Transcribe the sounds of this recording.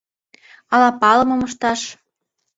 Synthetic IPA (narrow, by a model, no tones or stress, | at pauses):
ɑlɑpɑlɤ̆mɤ̆mɤʃt̪ɑʃ